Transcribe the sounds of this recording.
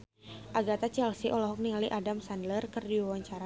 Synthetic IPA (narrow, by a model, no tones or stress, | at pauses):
ʔaɡat̪at͡ʃɛlsiʔɔlɔɦɔk̚niŋaliʔadamsandlərkərdiwawaɲt͡ʃaɾa